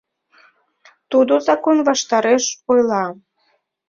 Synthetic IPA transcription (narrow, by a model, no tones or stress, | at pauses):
t̪ud̪ozɑkonβɑʃt̪ɑɾeʃojlˠɑ